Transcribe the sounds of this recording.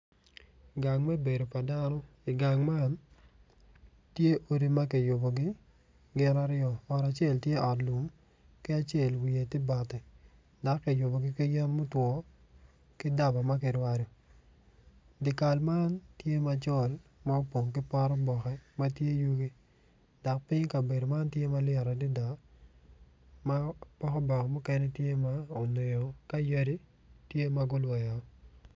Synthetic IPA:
ɡa˨ŋmɛ˦be˨do˨pa˨da˦nɔ˦ | ɪ˨ɡa˨ŋma˦n | tje˦ʔo˦ɾi˨ma˦kɪ˨jʊ˨bo˨ɡɪ˦ | ɡɪ˦na˦ɾɪjɔ˨ɔ˨ɾa˨t͡ʃe˦˨ltje˦ʔɔ˨tlu˨m | kɪ˦a˦t͡ʃje˦˨lwi˨e˨tɪ˦ba˨tɪ˨ | da˦kːɪ˨jʊ˨bo˨ɡɪ˦kɪ˦jɛ˦nmʊ˦twɔ˦ | kɪ˦da˦ba˨ma˦kɪ˨ɾwa˨ɾo˨ | dɪ˨ka˨lma˦ntje˦ma˨t͡ʃɔ˦˨lma˦o˦po˨ŋk̬ɪ˦pa˦ɾɔ˦bɔ˨xɛ˦ma˦tje˦ju˦ɡi˦ | da˨k̚pɪ˦ɲka˨be˨do˨ma˦ntje˦ma˦lɪɛ˨ɾa˨di˦da˨ | ma˦pɔ˦kɔ˦bɔ˨kɔ˨mɔ˦kɛ˦nɛ˦tje˦ma˦o˨ne˨jo˨ka˦jɛ˦di˦ | tje˦ma˦ɡo˦lwɛ˨ja˨˦

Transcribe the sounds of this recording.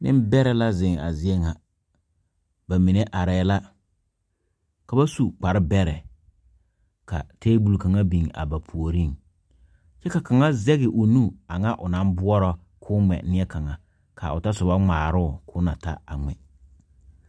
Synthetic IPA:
nɪ̰˦m˦bɛ˦ɾɛ˨la˦zɪ˨ŋa̰˨zɪ˦e˦ŋa˨ | ba˨mi˨ne˦ʔa˨ɾɛː˦la˦ | ka˨ba˦su˨k͡pa˨ɾɪ˦bɛ˦ɾɛ˨ | ka̰˨teː˦bu˨lka˨ŋa˦bi˨ŋa̰˨ba˨pʰu˨o˨ɾi˦˨ | t͡ʃɛ˦ka˨ka˨ŋa˦zɛ˦ɣɪ˨ʔʊ˨nu˦a˨ŋa˦ʔʊ˨na˦mbʊ˦ɔ˦ɾɔ˦ | kʰʊː˦ŋ͡mɛ̰˨nɪ˦ɛ˦ka˨ŋa˨ | kʰa̰˨ʊ˨ta˦sʊ˨βa˦ŋ͡maː˨ɾʊ˦˨kʊ˦na̰˨ta̰˦a˨ŋɛ̰˨

